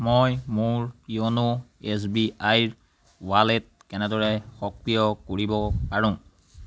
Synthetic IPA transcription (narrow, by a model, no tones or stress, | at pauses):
mojmʊɹionoes̬biajɹ | walet̚kɛnɛdɔɹɛxɔkɹijɔkoɹibɔpaɹʊ̃